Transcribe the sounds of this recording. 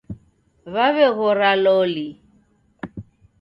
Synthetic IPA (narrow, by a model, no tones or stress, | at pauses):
βaβɛɣʊralɔli